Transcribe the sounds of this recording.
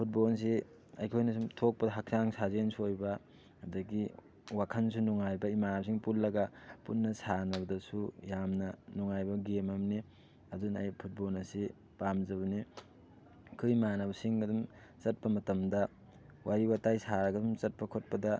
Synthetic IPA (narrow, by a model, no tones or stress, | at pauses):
pʰut̚bols̬i | ɐ̰jkʰojnɐsumtʰok̚pɐdɐɦɐk̚saŋsazensʰuojbɐ | ɐdɐɡi | wakʰɐnsunuŋajbɐimanas̬iŋpulːɐɡɐpunːɐsanɐbɐdɐsujamnɐnuŋajbɐɡemɐmni | ɐdunɐ̰jpʰut̚bolnɐsi | pamzɐβɐni | kʰɯimanɐbɐsiŋɡɐdum | t͡ʃɐt̚pɐmɐtɐmdɐ | wʔaɾiwatajsaɾɐɡɐdumt͡ʃɐt̚pɐkʰot̚pɐdɐ